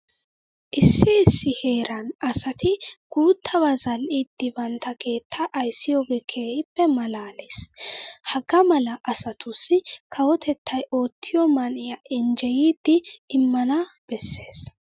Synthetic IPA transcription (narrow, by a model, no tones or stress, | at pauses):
ʔɪsːɪɪsːɪhe̞ːɾɐnɐsɐt̪ʰɪɡ̥uːt̪ʰːɐwazɐlʔiːd̪̥ːɪbɐnt̪ːɐkʰe̞ːt̪ʰːɐʔɐjsːɪjo̞ːɡeːkʰeːhɪpːɛmɐlaːleshɐɡɐmɐlɐʔɐsɐt̪ʊsːɪkʰɐwɔt̪ʰɛt̪ːɐjʔo̞ːt̪ʰːɪjɔmɐnɪjɐʔɛnd͡ʒɛjiːd̪ːɪːmːɐnɐb̥ɛsːe̞ːs